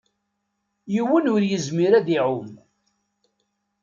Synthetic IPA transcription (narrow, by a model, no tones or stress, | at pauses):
jiwːənʊɾjəzmiɾæðiʕʊm